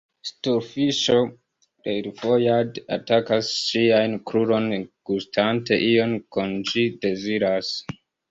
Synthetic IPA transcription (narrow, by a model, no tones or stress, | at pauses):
stuɾfiʃo | ɾeɾfojada̰takasʃiajnkɾuɾo̞nɡ̥ustʰante̞ʔijonkond͡ʒide̞ziɾas